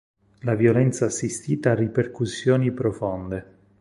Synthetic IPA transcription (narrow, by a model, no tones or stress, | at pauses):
lavjolɛnt̪saːsːist̪iːt̪aːrːiperkusːjoːnipɾofond̪e